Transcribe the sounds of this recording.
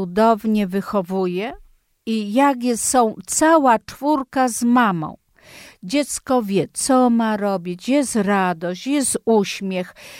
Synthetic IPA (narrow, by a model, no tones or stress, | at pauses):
ud̪ɔvɲɛvɘxɔvujɛ | ijaɡjɛsɔ̃w̃t̪sawat͡ʂfuɾkazmamɔ̰̃w̃ | d͡ʑɛt̪skɔvʲjɛt̪sɔmaɾɔbʲit͡ɕjɛst̪ɾad̪ɔɕt͡ɕjɛst̪uɕmʲjɛx